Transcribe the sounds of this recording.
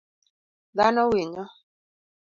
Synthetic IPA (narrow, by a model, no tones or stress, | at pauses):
ðanɔwɪɲɔ